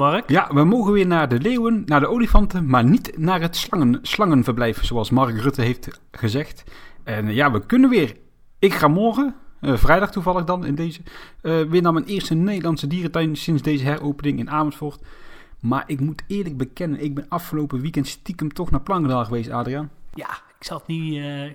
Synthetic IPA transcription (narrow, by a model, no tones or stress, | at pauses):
mɑrkjaʋəmowɣənʋɪːɹnaːɹdəlejwənnaːɹdəolifɑntəmaːɹnitnaːrɦətsŋəslɑŋənvərblɛjvənzoɑlˠsmɑɹkrɵtəɦejft | χəzɛxtɛnjaːʋəkɵnənʋɪːr | ɪkχaːmɔɹɣəvrɛjdɑχtuvɑlˠəχdɑnɪ̰ndejzəʋɪːnaːmɛjnɪːɹstənejdəlɑntsədiːrətɛjnsɪnzdejzəɦɛrowpənɪŋɪnaːvɔntfɔɹt | ma̰ːɹʔɪkmutɪːɹləɡ̚bəkɛnənɪɡ̚bɛnɑfχəlowpəʋikɛntstikəmtɔχnaːɹplɑŋɡədaːlˠɣəʋejstaːdriaːnjaː | ɪksɑtni